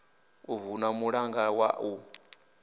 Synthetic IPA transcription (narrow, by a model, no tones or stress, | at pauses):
uvunamuɺaŋɡawa̰u